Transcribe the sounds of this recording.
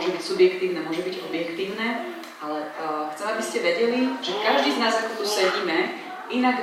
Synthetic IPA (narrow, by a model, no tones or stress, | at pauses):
ɔʒɛbicsubjɛkt̪iːʊnɛːmʊɔʒɛbiɟɔbjɛkt̪iːʊnɛː | alɛxt͡sɛmabiscɛʋɛɟɛliʒɛkaʒd̪iːznaːsakt̪ɔt̪usɛɟiːmɛ | inaɡ